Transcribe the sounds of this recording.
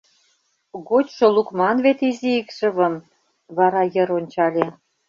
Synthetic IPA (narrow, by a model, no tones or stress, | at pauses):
ɣot͡ɕʃŏlukmɑnβet̪iziikʃə̆βə̆m | βɑɾɑjə̆ɾonʲt͡ɕɑlʲe